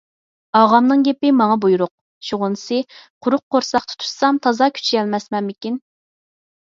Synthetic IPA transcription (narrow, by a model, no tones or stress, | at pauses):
ɑʁɑmnɨŋɡʲepɪmɑŋɑbujuɾʊq̚ | ʃuʁʊnsɨqʰʊɾʊq̚ːoɾsɑqt̪ʰɨ̥t̪ʰu̥sɑmt̪ʰɑzɑkʲʰy̥t͡ʃʰijɛlmɛsmɛnmɪkʲin